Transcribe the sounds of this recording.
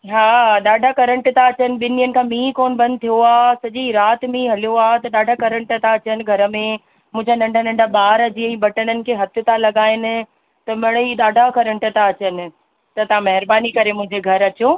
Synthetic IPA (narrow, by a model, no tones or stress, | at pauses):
ɦaːɗaːɖʱakɐɾə̃ɳʈt̪ãɐt͡ɕənɪ̆ɓɪnijənɪ̆kʰãːmĩːkoːnbɐ̃nd̪ɪt̪ʰijoaːɦsɐʄiɾaːt̪mĩɦɐlijoaːt̪ɐɗaːɖʱakɐɾə̃ɳʈt̪ãɐt͡ɕənɪ̆ɡʱɐɾə̆mẽ | mʊ̃ɦɪ̃d͡ʑanɐ̃ɳɖʱənɐ̃ɳɖʱaɓaːɾəd͡ʑiɛ̃ːɓɐʈənənɪ̆kʰeːɦɐt̪ʰɪt̪ãlɐɠaːɪnɪ̆ | t̪ɐmɐɽ̃əiɗaːɖʱakɐɾə̃ɳʈət̪aɐt͡ɕənɪ̆ | t̪ɐt̪ɐɦãmɐɦɪɾbaːnikɐɾemʊ̃ɦɪ̃ɲd͡ʑeɡʱɐɾɐt͡ɕoː